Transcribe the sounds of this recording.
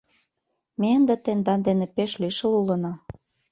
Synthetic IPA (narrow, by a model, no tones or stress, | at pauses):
meənd̪et̪end̪ɑnd̪enepeʃliʃə̆lulɤ̆no